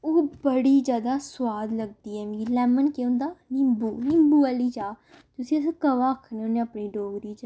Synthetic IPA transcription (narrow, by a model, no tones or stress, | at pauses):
oːbəɽiːd͡ʒjaːd̪aːswaːd̪ləɡ̚d̪iːɛːmɡiːlɛːmənkẽʊ̃nd̪aːnɪmbuːnɪmbuːɛliːd͡ʒaː | t̪ʊsĩːəs̬ãkəʋaːəkʰːneonẽːəpniːɖoːɡd̪iːd͡ʒ